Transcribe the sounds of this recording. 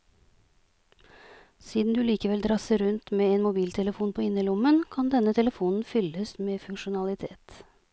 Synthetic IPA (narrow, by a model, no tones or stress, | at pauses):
siːd̪n̩d̪ʉːliːkəʋɛld̪ɾɑsəɾʉnt̪meːeːnmʊbiːlt̪ʰɛləfuːnpʰoːɪnːəlʊmənkʰɑnd̪ɛnːət̪ʰɛləfuːnn̩fʏləsmeːfʉŋʃʊnɑlɪt̪ʰeːt̪